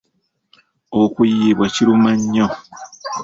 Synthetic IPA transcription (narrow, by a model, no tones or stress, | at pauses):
okujiβwaciɾumaɲːo